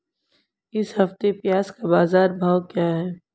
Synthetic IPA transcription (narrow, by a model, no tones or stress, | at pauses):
ɪshɐft̪epjaːskabaːzaːɾbʱaːʋkjaːɦɛː